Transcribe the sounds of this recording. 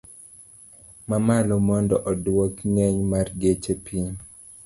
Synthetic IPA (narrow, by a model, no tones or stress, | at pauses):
mamalɔmɔndɔʔɔdwokŋɛɲmarɡet͡ʃepʰiɲ